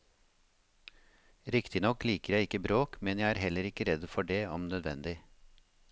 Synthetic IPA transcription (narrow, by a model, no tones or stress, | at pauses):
ɾɪkt̪ɪnɔkliːkəɾjæɪɪkəbɾoːkmɛnjæɪæːɾhɛləɾɪkəɾɛd̪fɔɖeːɔmnœd̪ʋɛ̰nd̪ɪ